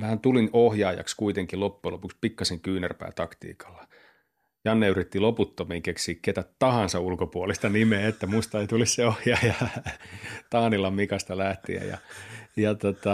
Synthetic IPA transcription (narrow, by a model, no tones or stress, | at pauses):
mæhænt̪ulinohjɑːjɑ̰kskuit̪eŋkilopːuelopukspikːɑseŋkyːnærpæ̰ːt̪ɑkt̪ḭːkɑ̥lːɑ̥ | jɑnːeyrit̪ːiloput̪ːomiŋkeksiːkket̪æt̪t̪ɑhɑnsɑulkopuolist̪ɑnimeet̪ːæmust̪ɑeit̪ulisseohjɑːjɑ | t̪ɑːnilːɑmikɑst̪ɑlæht̪ḭæ̰jjɑ̰jɑt̪ot̪ɑ